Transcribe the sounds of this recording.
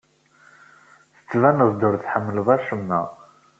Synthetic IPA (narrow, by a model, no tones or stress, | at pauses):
θə̥t͡sːvænəðˤd̪əɾθħəmːəlvˤɑʃəmːæ̰